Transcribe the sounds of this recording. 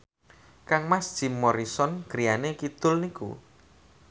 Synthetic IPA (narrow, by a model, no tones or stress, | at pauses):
kaŋmasd̥ʒ̥i̤mːɔɾisɔnkəɾijanekit̪ʊlnikṵ